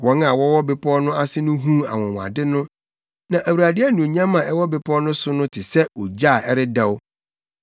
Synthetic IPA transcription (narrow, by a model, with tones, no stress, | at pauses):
wɔ̃˨˦na˨wɔ˦wɔ˦bɪ˨pʰɔ˦nʊ̃˦a˦sɪ˦nʊ̃˦ɦũ˦a̰˨wɔ̃˨wa̰˨dɪ˦nʊ̃˦ | nã˨ʔæ˨wu˨ɾa˨dɪ˦ɛ˦nũ˨o˨ɲã˦mã˨ɛ˦wɔ˦bɪ˨pʰɔ˦nʊ̃˦sʊ˦nʊ̃˦tʰɪ˨sɛ˦o˨d͡ʑa˦˨ɛ˦ɾɪ˦dɛ˦w